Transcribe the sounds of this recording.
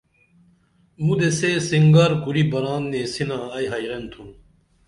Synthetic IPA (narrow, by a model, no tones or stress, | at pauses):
mud̪esesiŋɡɐɾkuɾibɐɾaːnːesinaɐjɦɐjɾɐnt̪ʰũ